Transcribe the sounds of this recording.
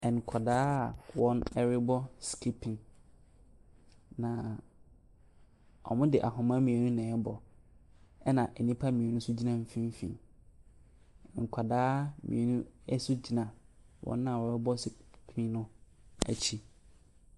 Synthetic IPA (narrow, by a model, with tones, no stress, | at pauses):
ɛ˨ŋ˨kʰa˨daː˦˨wɔ̃˦nɛ˦ɾɪ˦bɔ˦skʰi˦pʰĩ˨ŋ | nã˨ | ɔ̰˨mʊ̃˦dɪ˨ʔa˨ɦʊ̃˨mã˦mĩ˨e˨nũ˦nɛ̃˨˦bɔ˨ | ɛ˦nã˨ʔɛ˨nĩ˦pʰa˦mĩ˨e˨nũ˦sʊ˦d͡ʑi˦nã˦m̩˨fĩ˦m˦fḭ̃˨ | ŋ̩˨kʷʰa˨daː˦mʔḭ̃˨e˨nũ˦ɛ˦sʊ˦d͡ʑi˦nã˨wɔ̰̃˦nːã˦˨ɔ˨˦ɾɪ˦bɔ˦spʰĩ˦nʊ̃˦ | æ̰˨t͡ɕʰi˦